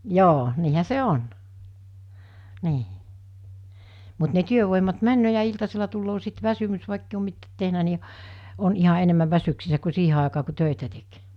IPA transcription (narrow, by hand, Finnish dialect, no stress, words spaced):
joː niːhæ se on niː mut ne tyøʋoˑimɑt mænːøː jɑ iltɑselɑ tulːoː sit ʋæsymys ʋɑˑikːei om mitːæːt tehnæ ni on ihɑ enemːæʋ ʋæsyksisːæ ku siːhe ɑˑekɑː ku tøˑitæ tek